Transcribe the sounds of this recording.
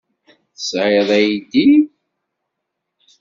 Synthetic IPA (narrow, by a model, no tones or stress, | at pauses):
θəsʕɪðˤæjid̪i